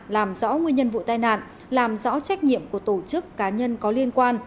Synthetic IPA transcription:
laː˨˩mzɔ̰˧˥ŋwi˧ənɲə˧nvṵ˧˨t̪aː˧jna̰ː˧˨n | laː˨˩mzɔ̰˧˥t͡ɕa˦˥jk̟̚ɲḭ˧˨əmku˧˩ət̪o˧˩t͡ɕɨ˦˥kːaː˨˦ɲə˧nkɔ˨˦li˧ənkwaː˧n

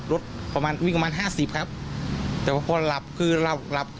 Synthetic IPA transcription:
ɾo˦˥t̪̚pa˧maː˧nwiː˦˥˩pa˧maː˧nɦaː˥˩si˨˩p̚kʰa˦˥p̚t̪ɛː˨˩waː˧˩pʰɔː˧la˨˩p̚kʰɯː˧la˧˩p̚la˨˩p̚kʰ

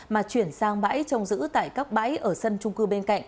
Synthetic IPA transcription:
maː˨˩t͡ɕwi˧˩ənsaː˧ŋɓa̰ː˧˥jt͡ɕɔ˧wŋ͡mzɨ̰˧˥t̪a̰ː˧˨jkaː˦˥k̚ɓa̰ː˧˥jʔəː˧˩sə˧nt͡ɕʊ˧ŋ͡mkɨ˧ɓe˧nka̰˧˨jŋŋ

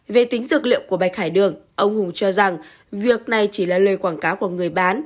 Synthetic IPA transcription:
ve˨˩t̪i˨˦ŋ̟zɨ˨˩k̚lḭ˧˨əwŋ͡mku˧˩əɓaː˨˩jxaː˧˩jɗɨ˨˩əŋʔə˧wŋ͡mhʊ˨˩ŋ͡mt͡ɕɔ˧za˨˩ŋ | vi˨˩ək̚na˨˩jt͡ɕi˧˩laː˨˩ləː˨˩jkwaː˧˩nkaː˨˦wku˧˩əŋɨ˨˩əjɓaː˨˦n

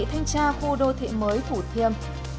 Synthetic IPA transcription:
t̪ʰa˧jŋ̟t͡ɕaː˧xu˧ɗo˧t̪ʰḭ˧˨məː˨˦jt̪ʰu˧˩t̪ʰi˧˩əm

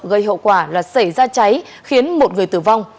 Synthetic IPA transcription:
ɣə˧˩jɦo̰˧˨wkwaː˧˩laː˨˩sa˧˩jzaː˧t͡ɕa˨˦j | xi˨˦ənmo˨˩t̚ŋɨ˨˩əjt̪ɨ˧˩va˧wŋ͡m

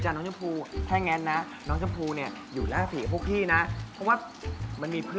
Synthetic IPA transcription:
t͡ɕaː˧nːɔː˦˥ŋt͡ɕʰpʰuː˧t̪ʰɛː˥˩ŋɛː˧nːa˦˥ | nɔː˦˥ŋt͡ɕʰa˧˥pʰuː˧ni˥˩ɐ | juː˨˩laː˥˩siː˨˦˩pʰu˥˩k̚t̪ʰiː˥˩na˦˥pʰɔ˦˥waː˥˩ | ma˧nmiː˧pʰɯ˥˩

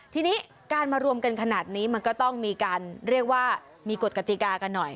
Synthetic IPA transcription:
t̪ʰiː˧niː˦˥ | kaː˧nmaː˧ɾu˧əmka˧nkʰa˧naː˨˩t̪̚niː˦˥ma˧nkɔː˥˩t̪ɔ˥˩ŋmiː˧kaː˧nɾi˥˩ək̚waː˥˩ | miː˧ko˨˩ka˧t̪i˨˩kaː˧ka˧nːɔ˨˩j

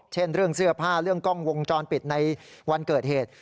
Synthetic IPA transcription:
t͡ɕʰe˥˩nɾɯ˥˩əŋsɯ˥˩ɐpʰaː˥˩ɾɯ˥˩əŋkɔ˥˩ŋwo˧ŋt͡ɕɔː˧npi˨˩t̪̚na˧jwa˧nkɤː˨˩t̪̚heː˨˩t̪̚

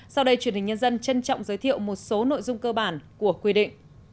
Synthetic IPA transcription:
sa˧wɗə˧jt͡ɕwənhï̟˨˩ɲə˧nzə˧nt͡ɕə˧nt͡ɕɔ̰˧˨wŋ͡mzəː˨˦jt̪ʰḭ˧˨əwmo˨˩t̚so˨˦no̰˧˨jzʊ˧ŋ͡mkəː˧ɓaː˧˩nku˧˩əkwi˧ɗḭ˧˨ŋ̟

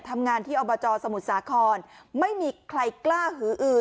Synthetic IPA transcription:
t̪ʰːa˧mŋaː˧nt̪ʰiː˥˩ʔɔ˧bɔː˧t͡ɕɔː˧sa˧mu˨˩t̪̚saː˩˦kʰɔː˧nma˥˩jmiː˧kʰɾa˧jklaː˥˩ɦɯː˩˦ʔɯː˨˩

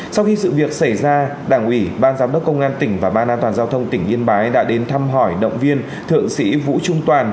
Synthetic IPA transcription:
sa˧wxi˧sɨ̰˧˨vi˨˩ək̚sa˧˩jzaː˧ɗaː˧˩ŋʔi˧˩ɓaː˧nzaː˨˦mɗə˦˥k͡p̚kə˧wŋ͡mʔaː˧nt̪ï˧˩ŋ̟vaː˨˩ɓaː˧nʔaː˧nt̪waː˨˩nzaː˧wt̪ʰə˧wŋ͡mt̪ï˧˩ŋ̟ʔi˧ənɓaː˨˦jɗa̰ː˧˥ɗe˨˦nt̪ʰa˧mɦɔ˧˩jɗə̰˧˨wŋ͡mvi˧ən | t̪ʰɨ̰˧˨əŋsḭ˧˥vṵ˧˥t͡ɕʊ˧ŋ͡mt̪waː˨˩n

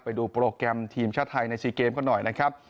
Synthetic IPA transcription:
pa˧jduː˧pɾoː˧kɾɛ˧mt̪ʰiː˧mt͡ɕʰaː˦˥˩t̪ʰːa˧jna˧jsiː˧˩keː˧mkʰa˥˩nɔ˨˩jna˦˥kʰɾa˦˥p̚

